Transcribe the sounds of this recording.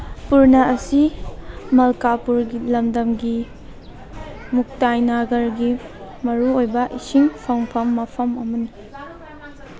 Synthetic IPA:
puɾnɐɐsi | mɐlkapuɾɡilɐmdɐmɡi | muk̚tajnaɡɐɾɡi | mɐɾuojbɐʔisiŋpʰɐŋpʰɐmːɐpʰɐmɐmɐni

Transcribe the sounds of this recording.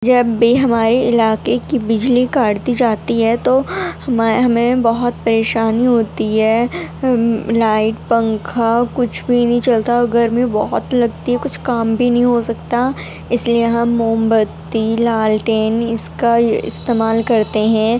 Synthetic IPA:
d͡ʒɐbːiɦɐmaːɾeɪlaːkekibɪd͡ʒlikaːɽt̪id͡ʒaːt̪iɦɛt̪ohɐmaɦɐmẽbɐɦʊt̪̚pɐɾeːʃaːniɦoːt̪iɦɛː | laːɪʈ̚pɐ̃ŋkʰakʊt͡ʃʰbʱinɐɦĩt͡ʃɐlt̪aɐɡəɾmẽbɔɦɔt̪lɐɡt̪iɦɛkʊt͡ʃʰkaːmbʱinɐɦĩɦosɐkt̪a | ɪslieɦɐmːoːmbət̪ːilaːlʈeːnɪskaɪ̰st̪eːmaːlkɐɾt̪eɦɛ̃ː

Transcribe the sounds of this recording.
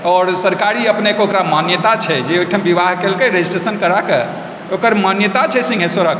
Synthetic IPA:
ɔɾsəɾkaɾiəpnekeokɾamanjət̪at͡ʃʰɛd͡ʒeojʈʰəmbiʋaɦkelkeɾed͡ʒisʈɾesənkəɾake | okəɾmanjət̪at͡ʃʰɛsĩŋɡʱesəɾək

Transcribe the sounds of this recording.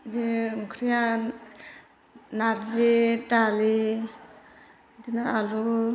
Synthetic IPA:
deŋkʰɾija | naɾzetali | dinaalu

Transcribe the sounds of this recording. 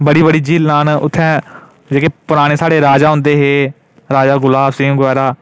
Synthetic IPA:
bəɽiːbəɽiːd͡ʒiːlnaːnʊt̪ʰːɛ̃ː | d͡ʒeːkepʊɾaːɽ̃eːsaːɽeːɾaːd͡ʒaːɦʊ̃nd̪eːɦeː | ɾaːd͡ʒaːɡʊlaːbsĩːɡʋɛːɾaː

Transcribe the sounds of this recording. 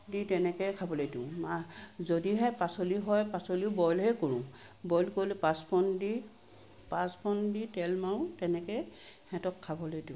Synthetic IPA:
ditɛnɛkɛjkʰabɔlojdũmazodiɦɛpasoliɦɔjpasoliʊbɔjlhɛkoɹũbɔjlkoɹilepaspʰɔndi | paspʰɔnditɛlmaɹʊ̃tɛnɛkɛ | hɛtɔkʰːabɔlojdũ

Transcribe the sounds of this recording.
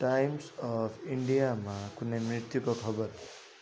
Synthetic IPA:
ʈajmsɔpʰiɳɖijamakunemɾit̪jukokʰʌbʌɾ

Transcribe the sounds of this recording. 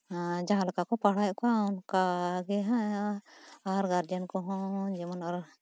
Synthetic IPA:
d͡ʒaɦãlɔkakɔpaɽ̤ajkɔaunkaɡɛɦã | aɾɡaɾd͡ʒənkɔɦɔ̃d͡ʒimanɔɾ

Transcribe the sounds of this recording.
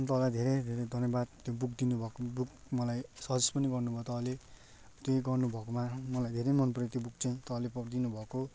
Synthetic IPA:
nt̪ʌlajd̪ʱeɾejd̪ʱeɾed̪ʱʌnjʌbad̪̚t̪jobuk̚d̪inubʱʌkobuk | mʌlajsʌd͡zʌspʌniɡʌrnubʱʌt̪ʌɦʌle | t̪joiɡʌrnubʱʌkomamʌlajd̪ʱeɾemʌnpʌret̪jobuk̚t͡saĩt̪ʌlepʌrd̪inubʱʌko

